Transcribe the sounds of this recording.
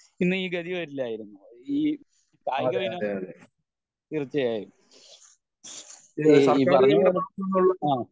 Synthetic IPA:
inːɨiːɡɐðiʋɐɾilːɐaːjiɾunːuiː | kaːjɡɐʋino | irɨt͡ɕːɐjaːjijɾu | pɐrɐɲːɐɐlɐnːuɭːɐaː

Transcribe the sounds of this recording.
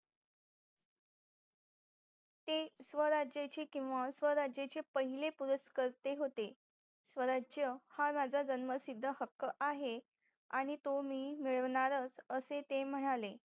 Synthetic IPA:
t̪esʋəɾad͡ʑjat͡ɕikĩw̃ʋasʋəɾad͡ʑjat͡ɕepəɦilepuɾəskəɾt̪eɦot̪e | sʋəɾad͡ʑjəhamad͡zʱad͡zənməsid̪ʱːəhəkːəʔaɦe | aɽ̃it̪omiːmiɭəʋɳaɾət͡səset̪em̤əɽ̃ale

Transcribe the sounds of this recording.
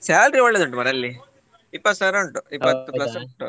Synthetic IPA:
saːlʈɾioɭːed̪uɳʈ̬ːumɐɾɐlːi | ipːɐt̪ːsaːɾɐɳʈuipːɐt̪ːuplɐsɳʈu

